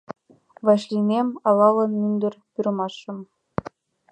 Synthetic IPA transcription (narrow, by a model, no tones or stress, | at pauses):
ʋɑɕlʲinʲemʲɑlˠɑlˠɤ̆nmʲynʲd̪ʲɘ̆rʲpʲyrmɑʂːɤ̆m